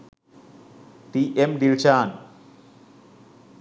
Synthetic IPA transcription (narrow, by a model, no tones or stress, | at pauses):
t̪iʔemɖilt͡ɕʰaːn